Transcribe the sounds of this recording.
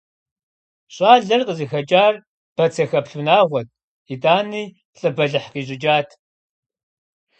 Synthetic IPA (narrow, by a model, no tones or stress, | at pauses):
ɕʼaːɮɐrqəzixɐt͡ʃʼaːr | b̥ɐt͡sʰɐxɐpɬunaːʁʷɔt̚ʼ | idaːniː | ɬʼɨbɐɮɨħqiːɕ̬ʼɪd͡ʒaːtʰ